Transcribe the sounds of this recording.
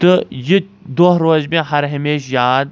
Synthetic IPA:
t̪ɨji | d̪oːɦɾoːzmẽɦɐɾɦɐmeːʃjaːd̪̚

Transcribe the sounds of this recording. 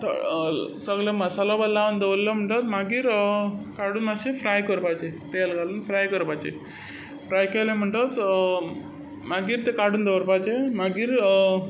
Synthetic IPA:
t̪ə̰səɡlaməsalɔbəlːaʋənd̪eʋlləm̤əɳʈət̪maɡiːɾkaɽuːnəsefɾajkəɾpajt͡ɕet̪elɡaluːnfɾajkəɾpajt͡ɕḛ | fɾajkalem̤əɳʈət̪ | maɡiːɾt̪ekaɽuːnd̪eʋɾpajt͡ɕemaɡiːɾ

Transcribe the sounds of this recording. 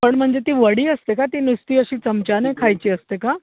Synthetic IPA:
pəɳm̤əɳd͡zet̪iːʋəɽiːəst̪ekat̪iːnist̪iːəɕiːt͡səmt͡ɕanekʰajt͡ɕiːəst̪eka

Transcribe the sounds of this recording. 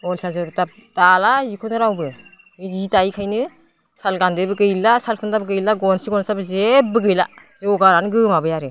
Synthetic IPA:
ɡɔnsazɯɾutap̚ | d̥alazikʰɔnɯɾawbɯ | izitajkʰajnɯ | salɡandɯbɯɡɯjlasalkʰɯndabɯɡɯjlaɡɔnsiɡɔnsabɯzebɯɡɯjla̰ | zɔɡaɾanɡɯmabɯjaɾɯ

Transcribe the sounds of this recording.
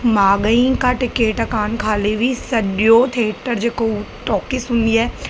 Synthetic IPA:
maːɡəĩkaʈɪkeːʈɐkaːnkʰaːleʋisɐɖjot̪ʰieːʈəɾd͡ʒekoʈɔːkisʊ̃nd̪iɛː

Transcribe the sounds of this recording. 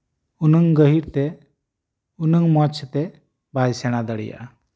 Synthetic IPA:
unəŋɡəɦiɾt̪ɛ | unəŋmɔt͡ʃʰt̪ɛ | bajsɛɽ̃ad̪əɽḭja̰

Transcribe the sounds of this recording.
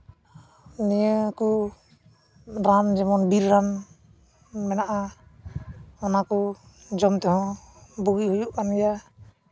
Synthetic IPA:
nijəku | ɾamd͡ʒɛmɔnbiɾːam | mɛnaʔa | ɔnaku | d͡ʒɔmt̪ɛɦɔ̃ | buɡihujuʔkanija

